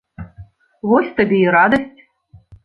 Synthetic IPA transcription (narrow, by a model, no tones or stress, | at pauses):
vosʲt̪ɐbʲejiɾad̪əsʲtʲ